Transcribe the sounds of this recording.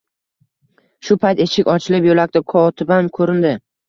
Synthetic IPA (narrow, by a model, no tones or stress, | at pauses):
ʃʊpʰajt̪eʃɪkʲɒt͡ʃʰɪlɪpjolak̚ʲt̪akʰɒt̪ʰɪbamkʰɵɾɪnd̪ɪ